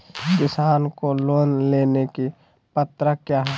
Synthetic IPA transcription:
d̪ɪsaːnkoloːnleːneki | pət̪ɾəkjaːɦɛ

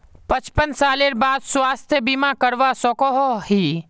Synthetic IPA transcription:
pət͡ʃpənsaːleɾbaːd̪swaːst̪ʰjəbiːmakəɾʋasɔkɔɦoɦiː

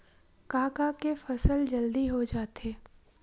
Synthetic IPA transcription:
kaːkakefɐsəld͡ʒɐld̪iɦod͡ʒaːt̪eː

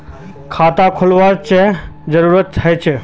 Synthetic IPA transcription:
kʰaːt̪akʰʊlʋaɾt͡ʃed͡ʒəɾuɾət̪̚ːʰəjt͡ʃʰeː

